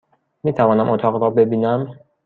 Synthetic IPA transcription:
miːt̪ʰævɒːnæmʔot̪ʰɒːɣɾɒːbe̞biːnæm

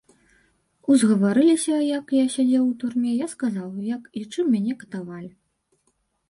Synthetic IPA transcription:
uzɣɐvaɾɨlʲisʲɐjɐkjasʲad͡zʲɛwut̪urmʲɛjaskazawjɐkit͡ʂɨmːʲanʲɛkɐ̥t̪avalʲi

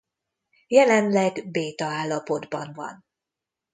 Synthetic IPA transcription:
jɛlɛnlɛɡbeːt̪ɒaːlːɒpo̞d̪bɒnvɒ̰n

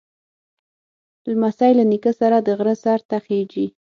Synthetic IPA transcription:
lamasajlanikəsaɾad̪əɣɾəsaɾt̪axed͡ʒi

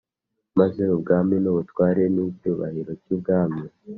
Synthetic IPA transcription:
mazeβubɡaːmɲenoβutwaːɾenicuːβa̰hiɾocibɡaːmɲe

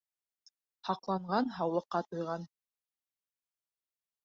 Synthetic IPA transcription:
hɑqlˠɑɴʁɑnɦɑwlˠɤ̆qːɑt̪ŏjʁɑn

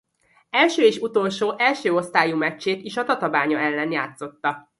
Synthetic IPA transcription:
ɛlʃøːeːʃut̪o̞lʃoːʔɛlʃøːo̞st̪aːjumɛt͡ʃːeːt̪iʃɒt̪ɒt̪ɒbaːɲɒɛlːɛnjaːt̪so̞t̪ːɒ

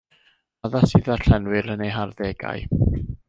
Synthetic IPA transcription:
aðasɨːðarɬɛnwɨɾənejɦarðɛɡa̰ɨ

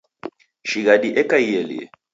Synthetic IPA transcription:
ʃiɣadiʔɛkʼaijɛlḭɛ̰

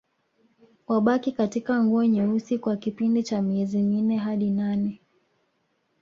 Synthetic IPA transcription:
waɓakikatikaŋɡuɔɲɛusikwakipindit͡ʃamiɛziminɛɦaɗinanɛ

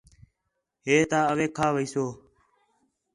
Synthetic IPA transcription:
ɦeːt̪aːəʋeːkʰaːʋəiːsoː

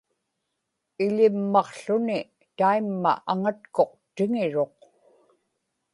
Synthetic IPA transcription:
ɪlɪmːɑqɬʊnɪ | t̪aimːa̰ʔaŋat̪̚ko̞q̚t̪ɪŋɪɻo̞q

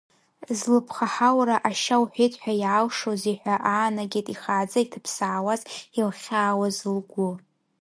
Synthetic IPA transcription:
zlɨpʰχaħawɾaʔaʃawħʷijtʰʼħʷᶣajʕalʂoziħʷᶣaʔaːnaɡʲejtʼiχaːd͡zaitʰɨpʰsaʕːwazilχʲaːwazɨlɡʷu

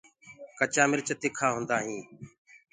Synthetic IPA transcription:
kət͡ʃaːmɪɾt͡ʃət̪ɪːkʰaːɦʊ̃nd̪aːɦĩː

